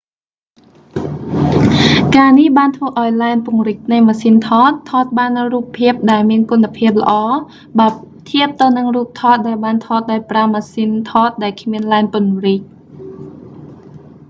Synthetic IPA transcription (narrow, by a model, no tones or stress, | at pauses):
kaːnihɓaːnt̪ʰʋəːʔaɔjlaɛnpŭəŋrɨc̚nɨjmaːsint̪ʰɑːt̪ʰːɑːt̪̚ɓaːnruːpʰːiəp̚ɗaɛlmiənkunːəpʰiəp̚lə̆ʔɑː | ɓaːt̪ʰiəp̚t̪ɨwnɨŋruːp̚t̪ʰɑːt̪̚ɗaɛlɓaːnt̪ʰɑːt̪̚ɗaɔjpramaːsint̪ʰɑːt̪̚ɗaɛlkʰmiənlaɛnpʊ̆nriːc̚